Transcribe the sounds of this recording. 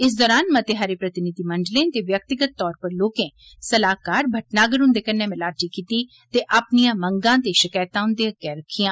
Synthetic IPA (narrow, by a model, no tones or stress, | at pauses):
ɪs̬d̪ɔːɾaːnmət̪eɦaːɾeːpɾət̪ɪnɪd̪iːməɳɖlẽːt̪eːʋjək̚t̪ɪɡət̪ːɔːɾpəɾloːkẽː | səlaːkaːɾbʱəʈnaːɡəɾʊ̃nd̪eːkənːẽːmɪlaːʈiːkiːt̪iː | t̪eːʔapnijãːmə̃ŋɡãːt̪eʃɪkaːjt̪ãɦʊ̃nd̪eãkɛːɾəkʰijãː